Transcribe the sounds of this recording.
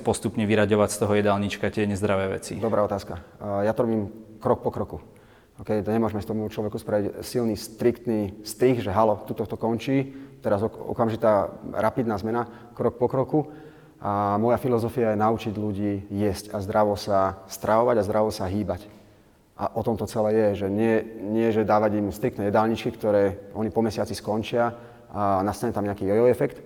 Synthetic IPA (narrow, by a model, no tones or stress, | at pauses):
pɔst̪upɲɛʋiɾaɟɔʋacst̪ɔɦɔjɛd̪alɲit͡ʃkacɪɛɲɛzd̪ɾaʋɛːʋɛ̰t͡sḭd̪ɔbɾaːɔt̪aːskajat̪ɔɾɔbiːmkɾɔk̚pɔkɾɔku | ɔkɛjt̪ɲɛmʊɔʒmɛst̪ɔmut͡ʃlɔʋɛkuspɾaʋicsilniːst̪ɾikt̪niːst̪ɾiɣʒɛɦalɔt̪ut̪ɔkt̪ɔkɔnt͡ʃiːt̪ɛɾazɔɔ̰kamʒit̪aːɾapid̪naːzmɛna | kɾɔk̚pɔkɾɔku | ʔamɔjafilɔzɔfijajɛnaut͡ʃiɟluɟiːjɛscazd̪ɾaʋɔsast̪ɾʔaʋɔʋaɟazd̪ɾaʋɔsaɦiːbac | ʔa̰ʔɔt̪ɔmt̪ɔt͡sɛlɛːjɛʒɛɲɪɛɲɪɛʒɛd̪aːʋaɟimst̪ɾikt̪ɛjɛd̪aːlɲit͡ʃkikt̪ɔɾɛːʔɔɲipɔmɛsɪat͡siskɔnt͡ʃɪa | anast̪aɲɛt̪amɲɛakiːjɛjɔɛfɛkt̪